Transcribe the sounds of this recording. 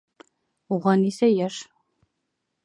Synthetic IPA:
ʁɐnisɐjɛʂ

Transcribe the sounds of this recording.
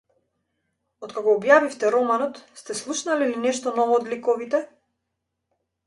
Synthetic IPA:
ɔt̪kakɔːbjavift̪ɛɾɔmanɔt̪st̪ɛslˠuʃnalilinɛʃt̪ɔnɔvɔːd̪likɔvit̪ɛ

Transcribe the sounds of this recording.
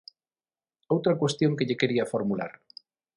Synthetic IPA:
owt̪ɾakwest̪joŋkeʎekeɾiafoɾmula̰ɾ

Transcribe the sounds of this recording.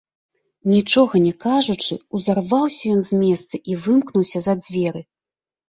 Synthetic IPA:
nʲit͡ʂɔɣɐnʲɛkaʐut͡ʂɨuzarvawsʲɐjɔnzʲmʲɛst̪sɐʔivɨmknuwsʲɐzɐd͡zʲvʲɛɾɨ

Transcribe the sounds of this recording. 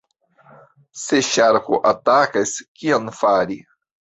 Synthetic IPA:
seʃaɾkoʔatakaskionfaɾi

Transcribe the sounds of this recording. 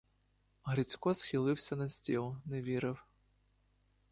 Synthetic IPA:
ɦɾit͡sʲkɔsxʲilˠɪwsʲɐnɐsʲtʲilˠneʋʲiɾɪw

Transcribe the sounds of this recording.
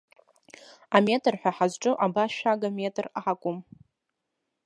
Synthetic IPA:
ame̞tʰʼɨrħʷᶣaħazʈ͡ʂʼɨʔabaʃᶣaɡame̞tʰʼraʕakʷʼʊm

